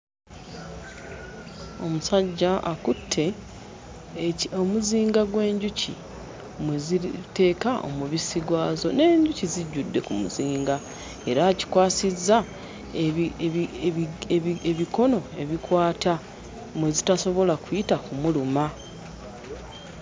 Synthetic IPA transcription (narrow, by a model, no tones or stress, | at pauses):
o̞musaɟːaakutʰːe̞ | omuziːŋɡaɡwe̞ːɲɟucḭ | mwezite̞ːkaʔo̰muβisiɡwaːzo̞̰ne̞ːɲɟuciziɟːudːe̞kumṵziːŋɡa | e̞ɾaːci̥kwaːsizːa | eβiko̞no̞e̞βikwaːtʰa | mwe̞zitaso̞βo̞lakujitakumuluma